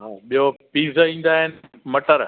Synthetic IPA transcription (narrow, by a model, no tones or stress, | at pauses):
ɦaːɓijopiːzĩːn̆d̪aːɦɪnɪ̆mɐʈəɾ